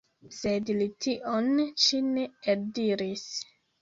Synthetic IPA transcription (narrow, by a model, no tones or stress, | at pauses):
sedlitʰiʔonʃineeldiɾis